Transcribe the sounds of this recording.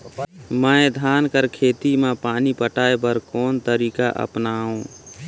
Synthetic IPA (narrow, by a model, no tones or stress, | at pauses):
məẽd̪ʱaːnkəɾkʰeːt̪imãpaːnipəʈaːebəɾkoːnt̪əɾiːka̰ʔə̰pnaːõː